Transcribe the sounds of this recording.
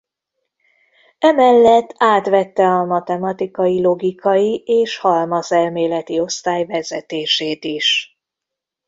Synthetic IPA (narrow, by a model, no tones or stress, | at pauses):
ɛmɛlːɛt̪ːaːt̪ʋɛt̪ːɛɒmɒt̪ɛmɒt̪ikɒjilo̞ɡikɒjiʔeːʃhɒlmɒsɛlmeːlɛt̪io̞st̪aːjvɛzɛt̪eːʃeːt̪iʃ